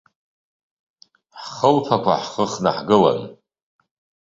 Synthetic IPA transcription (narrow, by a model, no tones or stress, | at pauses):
ħχəlpʰakʷa̰ħχəχna̰ħɡɨla̰n